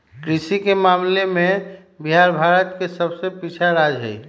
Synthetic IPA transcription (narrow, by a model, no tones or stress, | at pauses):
kɾisikemamlemẽ | biɦaɾbʱaɾət̪kesəbsepit͡ʃʰaɾad͡ʒɦə̰i